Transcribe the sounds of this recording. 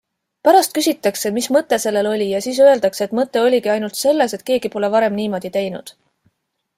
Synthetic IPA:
pæɾɑst̪̚kysʲit̪ːˑɑkse̞mismɤt̪ːˑe̞se̞lːe̞lo̞lʲijɑsiːs̬øe̞ld̪ɑkseet̪ˑmɤt̪ːˑe̞o̞lʲikiɑjnult̪se̞lːe̞se̞t̪ke̞ːɡ̥ipo̞le̞vɑɾe̞mniːmo̞d̪̥it̪e̞jnṵd̪̥

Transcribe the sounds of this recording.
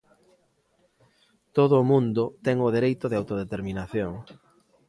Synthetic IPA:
t̪oðʊːmũnd̪ʊt̪ɛŋʊð̞eɾejt̪ʊðeawt̪oð̞et̪eɾminaθjoŋ

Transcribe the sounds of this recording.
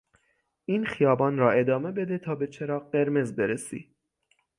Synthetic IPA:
ʔiːnxijɒːbɒːnɾɒːe̞d̪ɒːme̞be̞d̪et̪ʰɒːbe̞t͡ʃʰeɾɒːɢe̞ɾme̞zbe̞ɾesḭː

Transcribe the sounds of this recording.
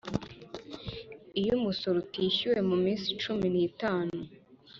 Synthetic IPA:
ijumusoɾutiːçuwe̞mumiːnsi̥t͡ʃuminiːtaːnu

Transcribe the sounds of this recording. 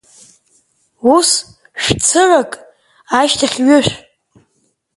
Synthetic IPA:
us | ʃᶣt͡sʰɨʕakʼ | aʃtʰaχʲɥʏʃʷᶣ

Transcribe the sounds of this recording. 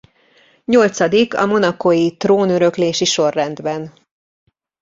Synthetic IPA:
ɲo̞lt̪sɒd̪ikɒ̰mo̞nɒkojit̪roːnøɾø̞kleːʃiʃo̞rːɛnd̪bɛn

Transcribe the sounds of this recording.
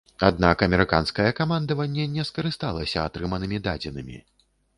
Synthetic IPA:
ad̪̚nakɐmʲɛɾɨka̰nskɐjɛkamand̪ɐvɐnʲːɛnʲɛskɐɾɨst̪alˠɐsʲɐat̪ɾɨmɐnɨmʲid̪ad͡zʲɛnɨmʲḭ

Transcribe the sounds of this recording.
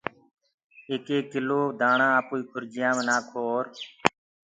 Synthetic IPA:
eːkeːkɪloːd̪ʱãːɳãːapuːiːkʰʊɾd͡ʒɪjãːmnaːkʰoːɾ

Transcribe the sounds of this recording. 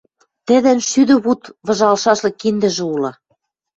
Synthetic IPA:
t̪ɘ̆ðɘ̆nʃyd̪ɘ̆βut̪βɤ̆ʒɑlʃɑʃlɤ̆kind̪ɘ̆ʒɘ̆ulɤ̆

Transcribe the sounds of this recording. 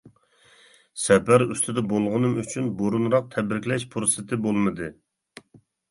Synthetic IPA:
sɛpæɾøst̪ʰɪd̪ɛbolˠʁʊnɨmyt͡ʃʰynboɾunɾɑq̚t̪ʰɛbɾɪkʲlɛʃpʰɾosɪt̪ʰɪbolˠmɨd̪ɨ

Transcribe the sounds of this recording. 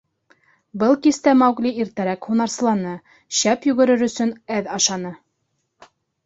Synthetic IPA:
bɤlˠkist̪æmæwɡliiɾt̪æɾækhunɑɾsɤ̆lˠɑnɤ | ɕæpjʉɡɘ̆ɾɘɾɵ̆sɵnæðɑʃɑnɤ

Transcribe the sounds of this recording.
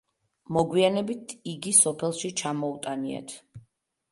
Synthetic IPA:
mɔɡwianɛbit̪ʰiɡisɔpʰɛlˠʃit͡ʃʰamɔut̪ʼania̰t̪ʰ

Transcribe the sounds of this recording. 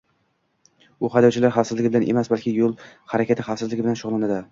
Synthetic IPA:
ʊχad̪ɒwt͡ʃʰɪlaɾχasɪzlɪɡʲɪbɪlanʔḛmasbalˠkʲʰɪjolˠhaɾakʲʰat̪ʰɪχafsɪzlɪɡʲɪbɪlanʃʊʁlˠanad̪ɪ

